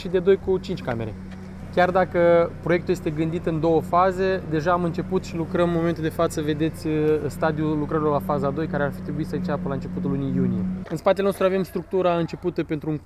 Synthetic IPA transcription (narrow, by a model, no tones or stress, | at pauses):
ʃid̪e̞d̪o̞jkut͡ʃint͡ʃʲkame̞̰ɾe̞̰ | kʲard̪akəpɾo̞je̞kt̪ulje̞st̪eɡɨnd̪it̪ɨnd̪o̞wəfaze̞d̪e̞ʒaːmɨnt͡ʃe̞put̪ʃilukɾəmːo̞ment̪uld̪e̞fat̪səve̞d̪e̞t̪sʲst̪ad̪iulukɾəɾilolafazad̪o̞jkaɾearfi̥t̪ɾe̞buisəɨnt͡ʃapəlaɨnt͡ʃe̞put̪ulunijunije̞ɨnspat̪elenost̪ɾuave̞mst̪ɾuk̚t̪uɾaɨnt͡ʃe̞put̪əpe̞nt̪ɾuuŋ